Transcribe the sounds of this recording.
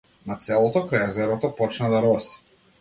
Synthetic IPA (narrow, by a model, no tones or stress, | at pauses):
mat̪sɛlˠɔt̪ɔkɾajɛzɛɾɔt̪ɔpɔt͡ʃnad̪aɾɔsi̥